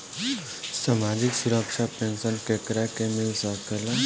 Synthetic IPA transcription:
samad͡ʒiksuɾəkʃʰapensənkekɾakemilsʌkela

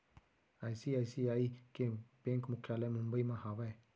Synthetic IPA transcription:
aːjsiːaːisiaːikepẽŋkmʊkʰjaːlemʊ̃mbəimãhaːʋae

